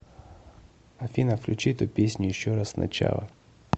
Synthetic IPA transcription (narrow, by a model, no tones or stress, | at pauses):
ɐfʲinəfklʲʉt͡ɕiɛt̪ʊpʲesʲnʲʊjɪɕːoɾassnʔɐ̰t͡ɕa̰lˠə̰